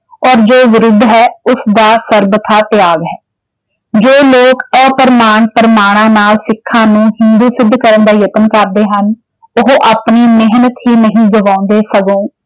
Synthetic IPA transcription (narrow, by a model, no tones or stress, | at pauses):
ɔːɾd͡ʒoːʋɪɾʊd̪ʱːɦɛːʊsd̪aːsəɾbət̪ʰaːt̪ɪjaːɡɦɛː | d͡ʒoːloːkəːpəɾəmaːɳpəɾəmaːɽ̃ãːnaːlsɪkʰːãːnũːɦɪnd̪uːsɪd̪ʱːkəɾənd̪aːjət̪ənkəɾd̪eːɦən | ʊɦʔaːpniːmɪɦnət̪ɦiːnəɦĩːɡəʋãːʊ̃nd̪eːsəɡõː